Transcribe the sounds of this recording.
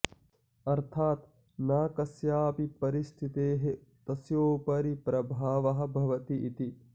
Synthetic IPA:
ɐɾt̪ʰaːt̪ | naːkɐsjaːpipɐɾist̪ʰit̪eːɦet̪ɐsjoːpɐɾipɾɐbʱaːʋɐɦɐ̆bʱɐʋɐt̪iʔit̪i

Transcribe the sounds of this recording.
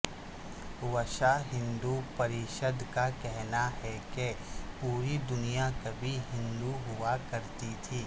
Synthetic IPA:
ʋɐʃaɦɪ̃nd̪upɐɾɪʃəd̪kakɛɦnaɦɛkepuːɾid̪ʊnijakɐbʱiɦɪ̃nd̪uɦʊakɐɾt̪it̪ʰiː

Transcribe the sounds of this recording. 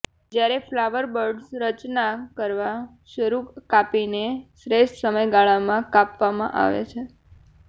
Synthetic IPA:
d͡ʒjaɾeflaʋəɾbəɾɖsɾət͡ʃnakəɾʋa | ʃəɾukapinesɾeʃʈsəməjɡaɭamãkapʋamã̰ʔa̰ʋḛt͡ʃʰe

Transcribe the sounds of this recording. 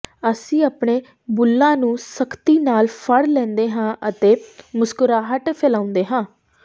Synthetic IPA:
əsĩːaːpɳeː | bʊlːãːnũːsəkʰt̪iːnaːlpʰəɽlɛ̃ːnd̪eːɦãːʔət̪eːmʊskʊɾaːɦəʈpʰeːlãːʊ̃nd̪eːɦãː

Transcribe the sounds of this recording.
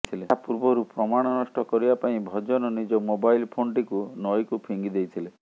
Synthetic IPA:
t̪ʰileapuɾbɔɾupɾɔmaɽ̃ɔnɔʃʈɔkɔɾibapaĩbʱɔd͡ʒɔnɔnid͡ʒɔmobajlpʰonʈikunɔjkupʰiŋɡid̪ejt̪ʰile

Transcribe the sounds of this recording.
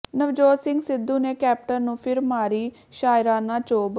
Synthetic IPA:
nəʋd͡ʒoːsɪŋɡsɪd̪ːuːneːkɛːp̚ʈənnũːpʰɪɾmaːɾiː | ʃaːɪɾãːnãːt͡ʃoːb

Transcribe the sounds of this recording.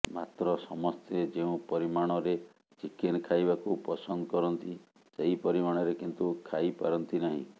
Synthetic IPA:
ma̰t̪ɾɔsɔmɔst̪ed͡ʒeũpɔɾimaɽ̃ɔɾe | t͡ʃikʰenkʰajbakupɔsɔnd̪ɔkɔɾɔnt̪i | seɦipɔɾimaɽ̃ɔɾekint̪ukʰajpa̰ɾɔnt̪inaɦḭ̃

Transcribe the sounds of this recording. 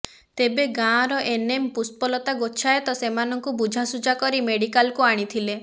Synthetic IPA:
t̪ebeɡãɾɔʔenempuspɔlɔt̪aɡot͡ʃʰaet̪ɔsemanɔŋkubud͡ʒʱasud͡ʒakɔɾimeɽikalkuaɽ̃it̪ʰile

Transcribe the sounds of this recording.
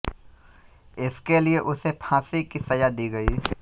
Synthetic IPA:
ɪskelieʔʊsepʰãːsikisɐjad̪iːɡɐiː

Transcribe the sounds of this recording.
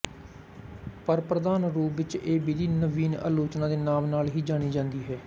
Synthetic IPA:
pəɾpɾəd̪aːnɾuːʋɪt͡ʃeːbiːd̪iːnəʋiːnə̰loːt͡ʃnãːd̪eːnaːmnaːlɦiːd͡ʒaːɽ̃iːd͡ʒãːnd̪iːɦɛː

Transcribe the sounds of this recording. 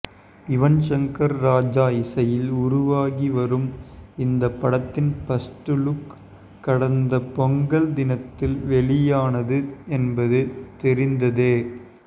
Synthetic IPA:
ɪʋɐnʃɐŋkɐɾːaːd͡ʒaːjɪsɐjɪlʊɾʊʋaːɣiʋɐɾɯmɪnd̪ɐpːɐɽɐt̪ːɪnpɐsʈɯɭɯkː | ɐɽɐnd̪ɐpɔŋɡɐɭd̪ɪnɐt̪ːɪlʋɛɭɪjaːnɐðɯɛnbɐðɯt̪ɛɾɪnd̪ɐðeː

